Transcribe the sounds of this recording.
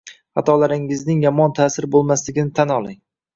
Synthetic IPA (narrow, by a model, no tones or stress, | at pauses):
hat̪ʰɒlaɾɪŋɪznɪŋjɒmɒnt̪ʰaːsɪɾbolˠmaslɪɡʲɪnɪt̪ʰanɒlˠɪŋ